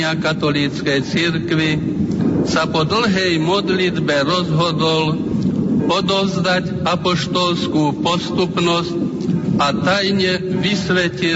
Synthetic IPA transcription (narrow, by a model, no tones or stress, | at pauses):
akat̪ɔliːt͡skɛjt͡siɾkʋi | sapɔd̪l̩ɦɛjmɔd̪lid̪bɛɾɔzɦɔd̪ɔl | ɔd̪ɔwzd̪ac | apɔʃt̪ɔlskuːpɔst̪upnɔsc | at̪ajɲɛʋisʋɛci